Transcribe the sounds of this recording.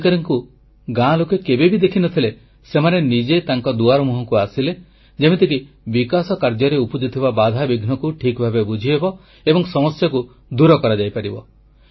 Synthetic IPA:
kaɾɔŋku | ɡãlokekebebid̪ekʰinɔt̪ʰile | semanenid͡ʒet̪aŋkɔd̪uaɾɔmuɦɔŋkuasile | d͡ʒemet̪ik̬i | bikasɔkaɾd͡ʒɔɾeupud͡ʒit̪ʰibabad̪ʱabiɡʱnɔkuʈʰikbʱabebud͡ʒʱiebɔ | ebɔŋsɔmɔsjaku | d̪uɾɔkɔɾad͡ʒajpaɾibɔ

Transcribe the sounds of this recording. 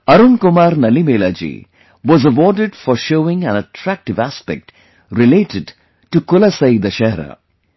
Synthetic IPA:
ɐɾunkʊmaːɾnɐlimeːlaːd͡ʒḭ | ʋɔzəʋɔːɖɪɖfɔɾʃoːɪ̃ŋæ̃nəʈʰɾæk̚ʈɪʋæspɛ̰k̚ʈ | ɾɪleːʈɪɖ | ʈukʊlɐsɐɪd̪ɐʃɛːɾa̰

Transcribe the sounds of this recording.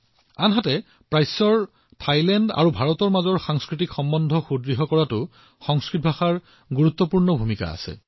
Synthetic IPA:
anɦatɛ | pɹajsɔɹ | tʰajlɛnda̰ɹubʱaɹɔtɔɹmazɔɹxaŋskɹitikxɔmbɔndʱɔxudɹiɦɔkɔɹatʊ | xɔŋskɹitbʱaxaɹ | ɡuɹut̪ːɔpuɹnɔbʱumika̰a̰sɛ̰

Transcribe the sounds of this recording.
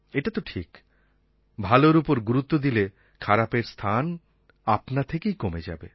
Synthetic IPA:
eʈat̪oʈʰik | bʱaloɾupoɾɡuɾut̪ːod̪ile | kʰaɾapeɾst̪ʰan | apnat̪ʰekejkomed͡ʑa̰be

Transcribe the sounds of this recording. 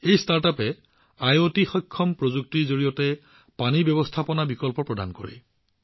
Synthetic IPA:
ejstaɹtapɛ | ajotixɔjkʰːɔmpɹozuk̚tizoɹijɔtɛ | panibjɔbɔstʰapɔnabikɔlpɔɹpɹɔda̰nko̰ɹḭ

